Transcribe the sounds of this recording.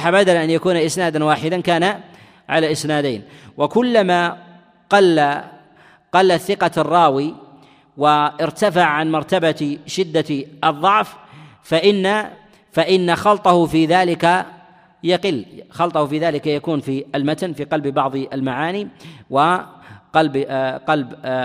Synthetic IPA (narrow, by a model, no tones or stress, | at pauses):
ħabad̪alaʔanjakuːnaʔɪsnaːd̪anwaːħɪd̪ankaːna | ʕalaːʔɪsnaːd̪ajːnwɪkʊlːama | qɑlːa | qɑlːaθːɪqɑrˤːɑːwi | waʔɪɾt̪afaʕʕanmɑɾˤt̪abaʃɪd̪ːaʔɨðˤːɑʕf | faʔɪnːa | faʔɪnːaxɑlt̪ˤɑhʊfiːðaːlɪka | jaqɪlːxɑlt̪ˤɑhfiːðaːlɪkajakuːnfialmat̪anfiːqɑlbbɑʕðˤʔalmaʕaːniwɪqɑlbqɑlb